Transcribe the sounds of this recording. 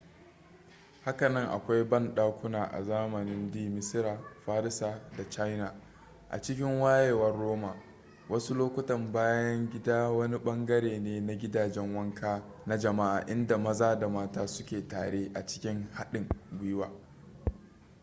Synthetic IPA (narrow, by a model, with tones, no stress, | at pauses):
ha˦kɐ˨nɐ˦ŋʔa̰˨kʷa˦jbɐ˦nɗaː˦kʷʊ˦naː˨ʔa̰˨zaː˦mɐ˨nɪ˦ndiː˦mɪ˦sɪ˦ɾaː˨ɸaː˦ɾɪ˦saː˨da˨t͡ʃa˦jna˨ | ʔa̰˨t͡ʃɪ˦kʲɪ˦ŋwaː˦jeː˨wɐ˦rːoː˦maː˨ | wɐ˦su˦loː˦kʷʊ˦tɐ˨mbaː˦jɐ˦ŋɡʲɪ˦daː˦wɐ˦ni˦ɓɐ˦ŋɡɐ˦ɾeː˨neː˦na˨ɡʲɪ˦daː˨d͡ʒɛ˦ŋwɐ˦ŋkʰaː˦na˦d͡ʒɐ˨ma˦ʔa̰ː˨ʔɪ˦nda˨mɐ˦zaː˦da˨maː˦taː˦sʊ˦kʲeː˨ta̰ː˨ɽeː˦ʔa˨t͡ʃɪ̥˦kʲɪ˦ŋha˦ɗɪ˨ŋɡʷʊ˦jɪ˦waː˨